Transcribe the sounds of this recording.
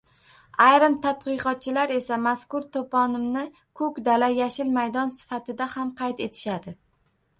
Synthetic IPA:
ajɾɪmt̪ʰat̪̚qɨqɒt̪̚t͡ʃʰɪlaɾe̞samaskʊɾt̪ʰopʰɒnɪmnɪ | kʰɵkʲd̪alajaʃɪlmajd̪ɒnsɪ̥fat̪ʰɪd̪ahamqʰɑjt̪e̞t̪ʰɪ̥ʃad̪ɪ

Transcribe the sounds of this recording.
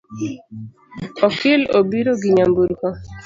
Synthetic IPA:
ɔkelo̰biɾoɡiɲambuɾkɔ

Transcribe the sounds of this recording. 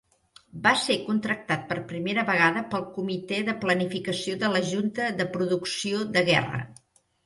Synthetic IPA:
basekunt̪ɾək̚t̪at̪̚pərpɾimeɾəβəɣ̞aðəpəlˠkumit̪ɛðəplənifikəsioðələʒunt̪əðəpɾuðuksioðəɣɛ̰rə̰

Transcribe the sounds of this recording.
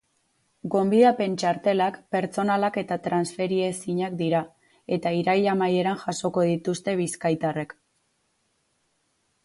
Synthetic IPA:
ɡo̞mbiðape̞nt͡ʃaɾt̪e̞lakpe̞ɾt͡so̞nalake̞t̪at̪ɾansfe̞ɾie̞siɲakd̪iɾa | e̞t̪aiɾajamaje̞ɾanʝaso̞ko̞ðit̪ust̪e̞βiskajt̪are̞k

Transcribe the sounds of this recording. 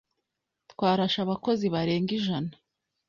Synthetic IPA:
twaːɾaʃaβako̞ziβaɾe̞ːŋɡiʒana

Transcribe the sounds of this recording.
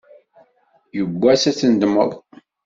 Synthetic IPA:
jəɡʷːæsæt͡sːənd̪mə̰ðˤ

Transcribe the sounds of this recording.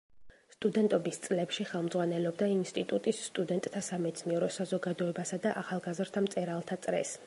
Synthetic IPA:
st̪ʼud̪ɛnt̪ʼɔbist̪sʼlɛpʃiχɛlˠmd̪zʁwanɛlɔbd̪ainst̪ʼit̪ʼut̪ʼisːt̪ʼud̪ɛnt̪ʼt̪ʰasamɛt̪sʰniɛɾɔsazɔɡad̪ɔɛbasad̪aʔaχalˠɡazɾt̪ʰamt̪sʼɛɾalˠt̪ʰat̪sʼɾɛ̰s

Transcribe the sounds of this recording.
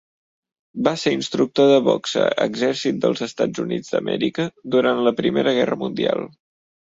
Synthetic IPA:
baseɾinst̪ɾuk̚t̪oðəβɔksə̰ə̰ɡzɛɾsit̪̚d̪əlˠzəst̪ad͡zunid͡zd̪əmʔɛɾikəd̪uɾant̪ləpɾimeɾəɣ̞ɛrəmund̪ia̰lˠ

